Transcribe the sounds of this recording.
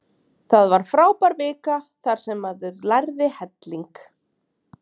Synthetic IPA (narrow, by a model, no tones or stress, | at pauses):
θaðvaɾ̥fɾaːwpaɾvɪːkaθaɾ̥sɛmːaðʏlajɾðɪhɛt̪liŋk